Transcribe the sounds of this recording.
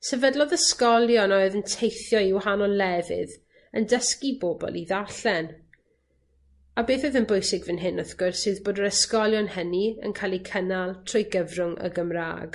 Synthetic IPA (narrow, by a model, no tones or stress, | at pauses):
sɛvədlˠɔðəskɔlˠjɔnoɨðəntʰejθjɔiwhanɔlɛvɨ̰ð | əndəskibobɔ̰lˠiðarɬɛn | abeːθoðənbojsɪɡvɨnɦɪnʊθɡ̥ʊrsɨːðboːdəɾəskɔlˠjɔnhəniə̰nkʰajlˠikʰənalˠtʰrʊjɡəvrʊŋə̰ɡəmra̰ːɡ